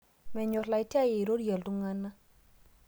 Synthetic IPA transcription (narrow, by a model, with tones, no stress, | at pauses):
mɛ˨ɲo˨ɾla˨jti˦a˦je˨ɾo˦ɾja˨ldu˦ŋa˦nːa˦